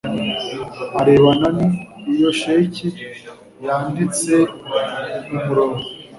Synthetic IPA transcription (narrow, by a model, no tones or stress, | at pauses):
aɾe̞βananiːjo̞ʃeːci | jaːndit͡se̞ | mumuɾoːɾo